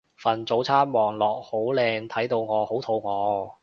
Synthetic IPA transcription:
fɐ˨˩nt͡so˨˧˥wt͡sʰaː˥n̚mɔː˨˩ŋlɔː˨k̚ho˨˥wlɛː˧ŋt̪ʰɐ˨˥jt̪o˧wŋɔː˨˧ho˨˥wt̪ʰo˨˧wŋɔː˨˧

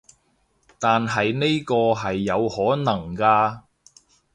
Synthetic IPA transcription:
t̪aː˨nɦɐ˨jne˥jkɔː˧ɦɐ˨jːɐ˨˧whɔː˨˥nɐ˨˩ŋkaː˧

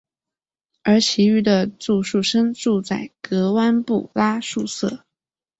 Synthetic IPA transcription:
ə˞˧˥t͡ɕʰi˧˥y˥˩d̪ə˨t͡su˥˧ʂu˥˩ʂə˥ŋʈ͡ʂu˥˧t͡sa˥˩ɪkɤ˧˥wa˥npṵ˥˩la˥ʂu˥˧sɤ˥˩

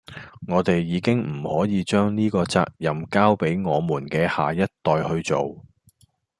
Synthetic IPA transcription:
ŋɔː˨˧t̪e˨jːiː˨˧kɪ˥ŋm̩˨˩hɔː˨˥jiː˨˧t͡ʃœː˥ŋniː˥kɔː˧t͡sa̰ː˧k̚jɐ˨mkaː˥wpe˨˥jŋɔː˨˧muː˨˩nkɛː˧ha̰ː˨jɐ˥t̚t̪ɔː˨jhɵ˧ɥt͡so˨w

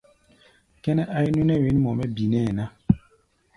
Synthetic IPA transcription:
kɛ˦nɛ˦ʔa˦i˦nu˦nɛ˦˨we˨˦n˦mɔ˨mɛ˦bi˨nɛ˦˨na˦

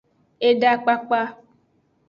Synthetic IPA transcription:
e˦ɖa˦k͡pa˦k͡pa˦

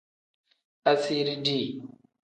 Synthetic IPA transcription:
a˦si˦ɾi˦di˦˨

